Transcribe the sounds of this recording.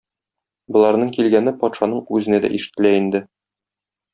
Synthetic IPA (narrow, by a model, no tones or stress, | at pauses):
bŏlˠɑɾnɤɴkilɡænɘpɒt̪ʃɑnɤɴʉzɘ̆næd̪æ̰ʔiʃɘ̥̆t̪ːɘ̆læind̪ɘ